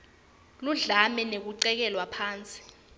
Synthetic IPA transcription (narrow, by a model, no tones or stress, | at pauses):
luɮamɛnek̬uǀɛk̬ɛlwapʰaːnt͡sʼi̥